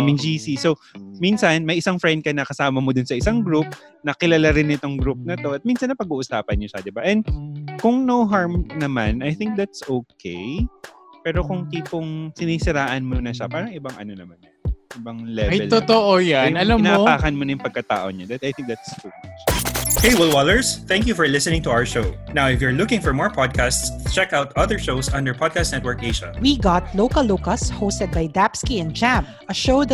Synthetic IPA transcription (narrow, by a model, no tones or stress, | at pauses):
amɪŋd͡ʒisisowminsɐnmɐjʔɪsaŋfɹɛnd̪̚kɐnɐkɐsaːmɐmod̪ʊnsɐɪsaŋɡɾup̚ | nɐkɪlɐlaɾɪnɪt̪o̞ŋɡɾup̚nɐt̪o̞ʔɐt̪̚minsɐnːɐpɐɡuːʔʊsaːpɐnɲoʃɐd̪ɪbaʔɛ̃nd̪̚kʊŋnowɦaɹmnɐmanʔɐjθɪŋk̚d̪at̪̚sʔowkʰḛj | pɛːɾo̞kʊŋt̪iːpʊŋsɪniːsɪɾaːʔɐnmonɐʃapaːɾɐŋʔɪbaŋʔɐ̰no̞nɐmanːɐnʔɪbaŋlɛɐjɛlt̪ot̪oʔojanɐlamnapaːkɐnmonɐjʊŋpɐɡ̚kɐt̪a̰ːʔoɲɐd̪ɐt̪ajθɪ̃ŋk̚d̪at̪stup̚ | heɪjwɛlwalɛɹsθɛ̃ŋkjufɔɹlɪsənɪ̃ŋt̪ʊawə˞ʃoʊnawɪfjuɹlʊkɪ̃ŋfɔɹmɔɹpʰɔd̪̚kʰastst͡ʃɛkaʊt̪ɐðəɹʃoʊsʔɐ̃nd̪əɹpʰɔd̪̚kast̪nɛt̪wɔɹkeɪʒɐ̰wiɡɑt̪lowkɐlːokɐshoʊst̪ɛd̪̚bɐjd̪apskiɛ̃nd͡ʒap | ɐʃoʊd̪